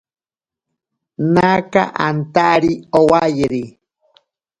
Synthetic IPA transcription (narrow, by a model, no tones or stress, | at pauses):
naka̰ʔant̪aʔɾiowajeɾi